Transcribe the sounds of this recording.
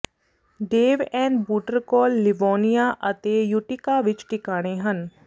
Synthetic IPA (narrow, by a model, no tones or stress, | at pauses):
ɖeːʋɛ̃ːɳɖbuːʈəɾkɔːlːɪʋoːnijaʔɐt̪ejʊʈɪkaʋɪt͡ʃʈɪkaːɽ̃eɦən